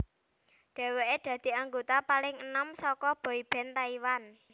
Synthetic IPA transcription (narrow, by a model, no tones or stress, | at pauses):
ɖ̪̥ɛ̤weeɖ̪̥ä̤d̪̥i̤aŋɡot̪apalɪŋənɔmsɔkɔb̥ɔ̤ib̥ɛ̤nt̪aiwan